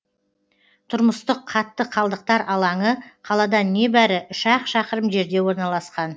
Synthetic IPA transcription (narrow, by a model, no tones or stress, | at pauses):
t̪ʰʊɾməst̪əqʰːɑt̪ːəqʰɑlˠd̪əq̚t̪ɑɾɑlˠɑɴəqʰɑlˠɑd̪ɑnːe̞bæɾɪʏʃɑqʃɑqəɾəmʒe̞ɾd̪e̞wo̞ɾnɑlˠɑsqɑn